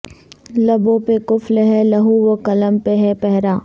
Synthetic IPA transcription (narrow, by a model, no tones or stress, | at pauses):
lɐbõpekʊflɦɛlɐɦuʋokɐləmpeɦɛpɛɦɾaː